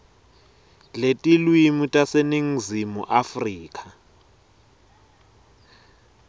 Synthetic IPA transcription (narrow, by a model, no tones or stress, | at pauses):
letʼilwimutʼaseniŋ̩zimṵʔafriːk̬ʰʼa